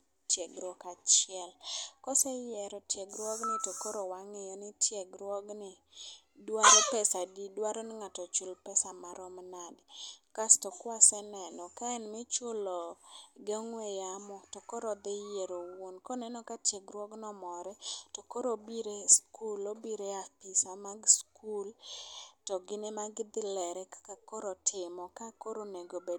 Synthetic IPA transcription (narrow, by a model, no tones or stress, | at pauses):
tjeɡɾwɔkat͡ʃɪɛlkɔsɛjɛɾɔtjeɡɾwɔɡnɪtokoɾowaŋejɔnɪtjeɡɾwɔɡnɪ | dwaɾopɛsadidwaɾɔnɪŋatɔt͡ʃʊlpɛsamaɾɔmnadkastɔkwasɛnɛnɔkaɛnmɪt͡ʃʊlɔɡɛŋwɛjamɔtɔkɔɾɔd̪ɪjeɾowonkɔnɛnɔkat͡ʃeɡɾwɔɡnɔmɔɾɛtɔkoɾobiɾeskulobiɾeapisamaɡskultɔɡɪnemaɡd̪ɪlɛɾɛkḁkakɔɾɔtʰɪmɔkakoɾoneɡobe